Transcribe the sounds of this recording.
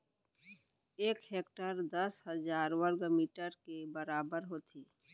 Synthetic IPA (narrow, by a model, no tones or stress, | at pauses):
eːkɦeːkʈəɾd̪əsɦəzaːɾwəɾɡmiːʈəɾkebəɾaːbəɾɦoːt̪ʰiː